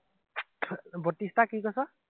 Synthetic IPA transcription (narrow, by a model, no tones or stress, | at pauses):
bɔt̪ist̪ʰakiɡɔsʌ